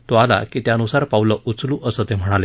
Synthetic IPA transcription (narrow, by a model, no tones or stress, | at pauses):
t̪oala̰kit̪jaənusaɾpauləʔut͡sluːʔəsət̪em̤əɽ̃ale